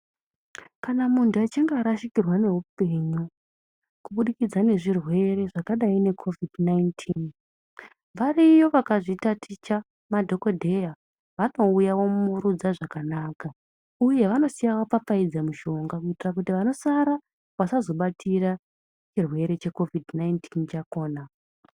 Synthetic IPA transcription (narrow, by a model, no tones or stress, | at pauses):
kanamuntuat͡ʃiŋɡaɾaʃikirwane̞ɦupe̞ɲu | kuɓuɗikid͡zane̞ʐirwe̞ɾe̞ʐakaɗaine̞kʰo̞vidʱnaintʰin | ʋaɾijo̞ʋakaʐitatʰit͡ʃa | madʱo̞ko̞dʱe̞ja | ʋano̞ujawo̞muɾud͡zaʐakanaːka | uje̞ʋano̞sijawap͡fap͡faid͡zamuʃo̞ŋɡakuitirak̬utiʋano̞saɾa | ʋasazo̞ɓatʰiɾa | t͡ʃirwe̞ɾe̞t͡ʃe̞ko̞vidnaintʰint͡ʃako̞ːna